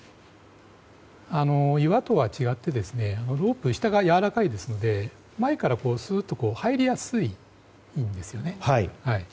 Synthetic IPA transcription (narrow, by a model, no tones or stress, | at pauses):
ano̞iβat̪o̞βat͡ɕiɡat̪ːe̞d̪e̞sɨne̞ano̞ɾo̞ːpɯ̟ɕi̥t̪aɡajaβaɾakaid̪e̞sɨno̞d̪e̞ | maekaɾako̞ːsɨːt̪ːo̞ko̞ːhaeɾʲijasɨi | ĩnd̪e̞sɨjo̞ne̞haihai